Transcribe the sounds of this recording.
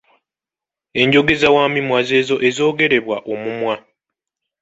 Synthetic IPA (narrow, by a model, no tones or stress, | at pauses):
e̞ɲɟo̞ɡe̞zawaːmimwaze̞ːzo̞ʔe̞zo̞ːɡe̞ɾe̞βwaʔo̞mumwa